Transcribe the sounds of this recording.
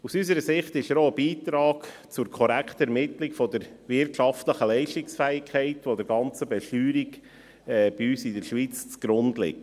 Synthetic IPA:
usysəɾəsɪχt̪ɪʃəɾoəbiːt̪ɾɑːk | t͡sʊɾkʰɔɾækχtɛɾmɪtlɪkfɔd̪əɾʋɪɾtʃɑftləχəlɛɪʃtɪksfæːɪkʰɛɪtʋod̥̪əɾɡɑnt͡səbɛʃtyːɾiɡ | ɛːb̥iyːsɪdəɾʃʋiːt͡st͡sɡ̥ɾʊndlɪ̰k̚

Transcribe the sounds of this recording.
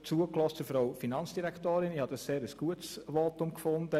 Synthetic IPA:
t͡suəklɔstəfɾoʊfinɑnt͡ssd̥iɾɛkt̪oːɾɪniːhɑd̥̪ɑsseːɾəsɡ̥uətsʋɔtʊmkfʊndə

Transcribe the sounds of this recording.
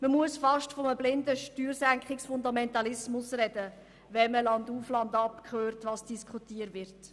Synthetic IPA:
məmuəsfɑʃtfɔməblɪndəʃtyːɾsæŋkχɪksfʊnd̪ɑmɛntɑlɪsmʊsrɛdə | ʋɛməlɑnd̪uflɑndɑpkʰχøːrtʋɑːsd̥iskχutiːəɾʋɪɾt

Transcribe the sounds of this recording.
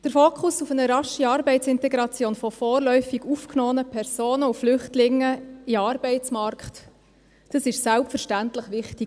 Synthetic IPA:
d̥əɾfoːkχʊsufənəɾɑʃiɑːɾbɛɪtt͡sɪntɛɡɾɑt͡sjoːnfɔfɔːrlœʏfiɡufknɔːənəpʰɛɾsoːnəuflʏχtlɪŋːəiɑːɾbɛɪt͡smɑɾkχt | d̥ɑsɪʃsælpfəɾʃtæntləχʋɪχti

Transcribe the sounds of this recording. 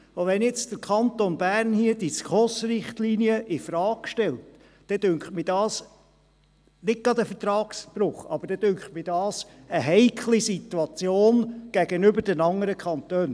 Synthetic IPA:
oʋɛnjɛt͡sd̥əɾkʰɑnt̪onbæɾnhiədiskχɔsɾɪχt̪liːniəʔɪfɾɑːkʃtɛlt | d̥ɛd̥øŋkχtmɪdɑːs | nɪt̚ɡɑd̪əfət̪ɾɑːksb̥ɾʊχɑ̰b̥əɾd̥ɛd̥ʏŋkχtmɪdɑːsəɦɛɪkʰlisit̪ːuɑt͡sjoːnɡ̥æɡənʏbəɾdənɑŋəɾəkʰχɑnt̪øːn

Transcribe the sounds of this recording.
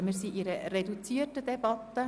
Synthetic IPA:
miɾsiːʔiɾəɾedut͡siːətədɛbɑt̪ːə

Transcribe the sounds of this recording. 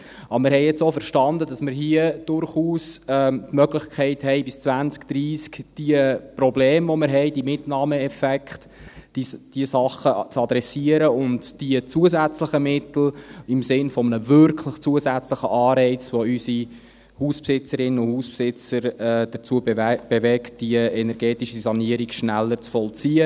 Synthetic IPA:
ʔɑbəmɪɾɦɛɪɛt͡soːfəɾʃtɑnd̪ədɑsmɪɾɦiəd̥ʊrχuːsɛtmœɡlɪχkʰɛɪthɛɪbɪst͡svænt͡skd̥ɾiːskd̥iəprɔbleːmvɔmɪɾɦɛɪd̥iəmɪtnɑːməɛfɛkχt | id̥iəsɑχət͡sɑd̪ɾɛsiəɾəʊntd̥iət͡suəzæt͡sləχəmɪt̪l̩ɪmsɪnfɔmənəvʏɾkʰlɪχt͡suəzæt͡sləχəʔɑːɾɛɪt͡sʋoysi | huːspsɪt͡səɾɪnənʊndhuːspsɪt͡səɾɛːd̥əɾt͡suəbb̥evɛktd̥iəɛnɛɾɡɛːtiʃisɑniəɾikʃnælːəɾt͡sfɔlt͡siːə

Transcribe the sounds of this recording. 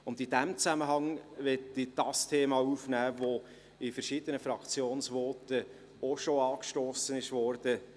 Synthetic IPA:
ʊndɪdæmt͡sæməɦɑŋvɛtːid̥ɑstʰeːmɑuːfnæːvo | ɪfəɾʃid̪ənəfɾɑkt͡sjoːnsvɔːtə | oʃoɑːkʃtoːsənɪʃvɔːɾd̥ə

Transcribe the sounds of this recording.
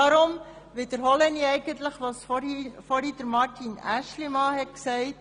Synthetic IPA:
ɑɾʊm | ʋɪd̥əɾɦɔlɛniɛɪɡ̥ənt̪ləχʋɑsfɔɾhid̥əɾmɑɾtinæʃlimɑːhɛtksɛɪt

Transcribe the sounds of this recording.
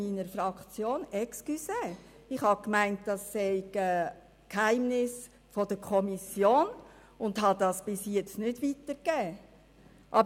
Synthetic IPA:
iːnəɾfɾɑkt͡sjoːnɛkskysɛː | ɪχhɑkmæɪnt̚d̥ɑsːɛɪɡə | khæɪmnɪs | fɔd̥əkʰɔmisjoːn | ʊndɦɑdɑsb̥ɪsjɛt͡stnɪdʋitəɾɡ̥ɛː | ʔɑb

